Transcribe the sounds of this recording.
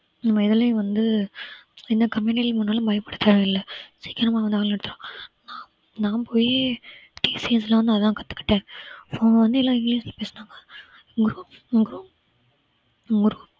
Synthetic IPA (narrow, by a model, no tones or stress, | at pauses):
nɐmːɐɪðɐleːʋɐnd̪ɯ | ɪnd̪ɐkɐmɪnɪlmʊnːaːlɐ̃bɐjɐpːɐɽɯt̪ːaːɾ̃ɪlːɛsiːkɪɾɐmaːʋɐnd̪aːŋɛɽɯt̪ːɯɾõː | nãːpoːjeːʈiːsiɛslaʋɐnd̪ɯɐðt̪ãːkɐt̪ːɯ̥kːɪ̥ʈːẽːfoːnʋɐnd̪ɯɛlːãːɪŋɡliːslɐpeːsɐnaːŋɡɐ | ɡɾuːɡɾuːp | ɡɾuːp